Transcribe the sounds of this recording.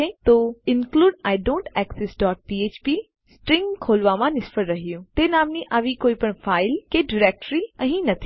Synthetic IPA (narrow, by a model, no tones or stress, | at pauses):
et̪oːɪnkluːɖaːɪɖõːɳʈɛːksesɖɔːʈ̚piːeːt͡ʃpiː | sʈɾɪ̃ŋɡkʰoːlʋaʋãnɪspəɾɾɐɦijũt̪eːnaːmnĩʔaːʋikoːipəɳfʰaːɪlkeɖɪɾɛːk̚ʈɾiɐ̃ɦĩnɐt̪ʰi̥